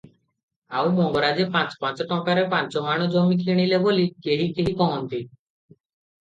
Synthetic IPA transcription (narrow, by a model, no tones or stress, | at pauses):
awmɔŋɡɔɾad͡ʒepãt͡ʃpãt͡ʃɔʈɔ̃kaɾepãnt͡ʃɔɦaɽ̃ɔd͡ʒomikʰiɽ̃ilebolikeɦikeɦikɔɦɔnt̪i